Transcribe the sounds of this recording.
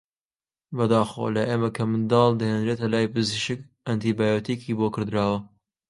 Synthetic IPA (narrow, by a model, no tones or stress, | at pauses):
bɐd̪aːxo̰lɐʔeːmɐkʰɐmd̪ɑːld̪ɐhend̪ɾet̪ɐlaːjpɨziʃɨk | ɐnt̪iːbaːjot̪ikʰiːbokɨɾd̪ɾaːwɐ